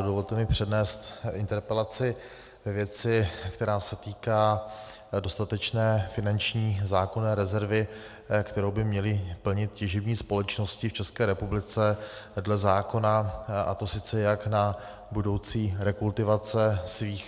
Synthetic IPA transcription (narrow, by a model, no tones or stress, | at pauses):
dovo̞lt̪ɛmɪpr̝̥ɛdnɛːst̪ʔɪnt̪ɛɾpɛlat͡sɪ | vɛvjɛt͡sɪkt̪ɛɾaːsɛt̪iːkaː | do̞st̪at̪ɛt͡ʃnɛːfɪnant͡ʃɲiːzaːkonɛːɾɛzɛɾvɪ | kt̪ɛɾowbɪmɲɛlɪpl̩ɲɪt̪̚cɛʒɪbɲiːspo̞lɛt͡ʃno̞scɪft͡ʃɛskɛːɾɛpublɪt͡sɛdlɛzaːko̞naʔa̰t̪o̞sɪt͡sɛjakna | budo̞wt͡siːɾɛkult̪ɪvat͡sɛsviːx